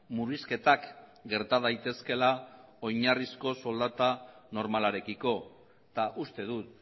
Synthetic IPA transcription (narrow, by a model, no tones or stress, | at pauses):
muriske̞t̪akɡe̞ɾt̪að̞ajt̪e̞ske̞lao̞jɲarisko̞so̞ld̪at̪ano̞ɾmalaɾe̞kiko̞ | t̪aʔust̪e̞ðut̪